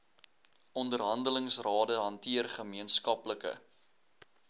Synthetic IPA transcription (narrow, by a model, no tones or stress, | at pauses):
ɔndərɦɐndələŋsrɑːdəɦɐntiərχəmiənskɐpləkə̰